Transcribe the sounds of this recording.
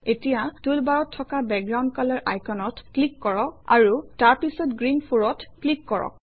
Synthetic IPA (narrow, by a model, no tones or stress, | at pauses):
etijatulbaɹɔtʰːɔkabɛk̚ɡɹawndkalaɹʔa̰jkɔnɔtklikːɔɹɔka̰ɹutaɹpisɔtɡɹinpʰuɹɔtklikːɔɹɔ̰k̚